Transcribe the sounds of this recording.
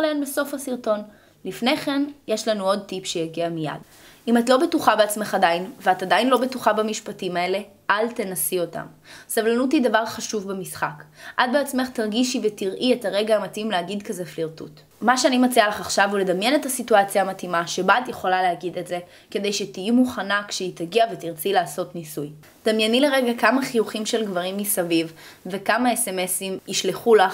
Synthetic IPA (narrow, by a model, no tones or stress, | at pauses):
leenbeso̞fhasiʁto̞n | lifne̞χe̞njeʃlanuo̞d̚tipʃejaɡiamija̰d | imatlo̞betuχabeat͡smeχadajinveatadajinlo̞be̞tuχabamiʃpatimae̞le̞ | ʔalte̞nasio̞ta̰msavlanut̪id̪avaʁχaʃuvbemisχakʔad̚beat͡sme̞χt̪aʁɡiʃivetiʁʔietaʁe̞ɡaːmatimleaɡidkazefliʁtṵt | maʃeanimat͡sialaχaχʃavule̞d̪amjenethasituat͡sjaːmatimaʃe̞baːt̪jeχo̞laleaɡid̪e̞tze̞ | ke̞d̪e̞jʃet̪ijimuχanakʃeit̪aɡiavet̪iʁt͡silaːso̞tnisuj | d̪̥amjenile̞ʁeɡakamaχijuχimʃe̞lɡvaʁimːisavivve̞kamaesemesimiʃleχulaχ